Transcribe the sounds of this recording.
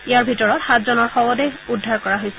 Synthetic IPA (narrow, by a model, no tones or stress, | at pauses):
ijaɹbʱitɔɹɔtxatʰzɔnɔɹxɔbɔdɛudʱːaɹkɔɹaɦojsɛ